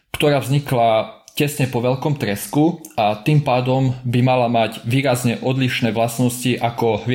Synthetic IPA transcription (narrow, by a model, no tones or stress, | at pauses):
kt̪ɔɾaːvzɲiklacɛsɲɛpɔʋɛʎkɔmt̪ɾɛskuat̪iːmpaːd̪ɔmbimalamaɟʋiːɾazɲɛʔɔd̪liʃnɛːʋlasnɔsciʔakɔɦʋɪ